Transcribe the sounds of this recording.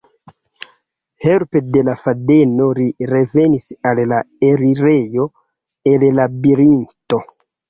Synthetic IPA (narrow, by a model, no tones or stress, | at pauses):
heɾpede̞lafadenoɾiɾe̞venisallaeɾiɾejo̞ | ellabiɾinto